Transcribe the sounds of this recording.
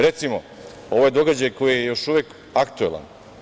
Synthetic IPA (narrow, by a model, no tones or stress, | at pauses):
ɾe̞t̪simo | o̞ʋoje̞d̪o̞ɡad͡ʑajko̞jijejo̞ʃuʋek | akt̪uela̰n